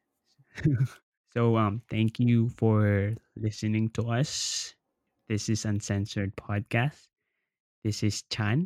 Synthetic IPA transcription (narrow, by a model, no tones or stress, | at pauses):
soʊʌ̃mθæ̃ŋkʰjufə˞lɪsɨnɪ̃ŋtʰəʌs | ðɪsɨzʌ̃nsɛ̃nsə˞d̚pʰɔd̚kʰæst | ðɪsɪz̥t͡ʃʰãn